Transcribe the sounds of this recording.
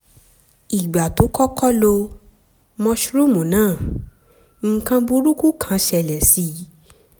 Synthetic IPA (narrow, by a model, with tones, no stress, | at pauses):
i˨ɡ͡ba˨to˨˦kɔ˦kɔ˦lo˧ | mɔ̃˧ʃu˦ɾu˦mũ˨nãː˦˨ | ŋ̩˧kã˧bu˧˦ɾu˦ku˦kʰã˨˦ʃɛ˧˨lɛ˨si˧˦˨